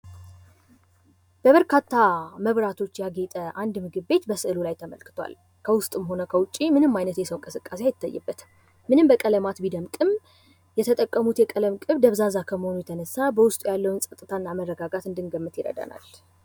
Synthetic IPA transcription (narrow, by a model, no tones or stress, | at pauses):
b̥əβəɾkʰat̪ːaməβɾat̪ʰo̞t͡ʃːjaɡet̪ʼəʔand̪mɨɡɨβːe̞t̪bəsɨʔɨlulajt̪ʰəmə̰lkɨ̥t̪ʰwa̰l | kʰəwʊst̪ʼɨmɦo̞nəkʰəwʊt͡ʃʼːimɨnɨmːajnət̪jɛsəwɨŋkʼɨsɨkʼːaseajɪt̪ːajːɨ̰bːət̪ɨ̥ | mɨnɨmbəkʼələmat̪bid̪əmkʼɨm | jɛt̪ʰət̪ʼəkʼːəmut̪jɛkʼələmkʼɨβd̪əβzazakʰəməho̞nujɛt̪ʰənəsːabəwʊst̪ʼujalːəwnsʼət̪ʼːɨt̪ʰaɨnːamərːəɡaɡat̪ɨnd̪ɨŋɡəmːɨt̪jɪɾə̰d̪ə̰na̰l